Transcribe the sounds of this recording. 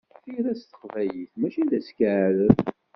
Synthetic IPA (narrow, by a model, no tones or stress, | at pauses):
θiɾæst̪ə̥qvæjiθmæʃiðæskəʕɾəð